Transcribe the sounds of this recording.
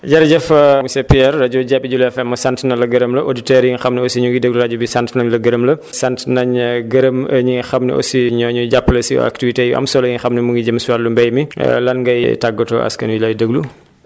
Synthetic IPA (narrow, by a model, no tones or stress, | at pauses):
ɟɐɾɟɛfmusɛpiɛɾːɐɟɔɟabiɟulɛfɛmːɐsantnɐlɐɡɐɾəmlɐʔoditɛɾjiŋxɐmnɛɔsiɲuŋɡidəɡluɾɐɟubisantnɐɲlɐɡəɾəmlɐsantnɐɲɡəɾəməɲiŋxɐmnɛ̰ʔɔ̰siɲɔɲuɟapːlɐsiɔ̰a̰ktivitejuʔɐ̰msɔlɐjiŋxɐmnɛmuŋɡiɟəmsuwalumbɛjmḭlɐnŋɡɐjtaɡːɐtɔ̰ɐ̰skɐnwilɐjdəɡlu